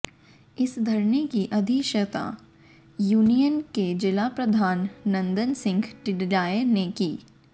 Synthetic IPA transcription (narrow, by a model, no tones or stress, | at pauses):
ɪsd̪ʱɐɾnekiʔɐd̪ʱiʃət̪a̰ | juːnijənked͡ʒɪlapɾɐd̪ʱaːnːɐ̃nd̪ənsɪ̃ŋɡʈɪɖlaːenekiː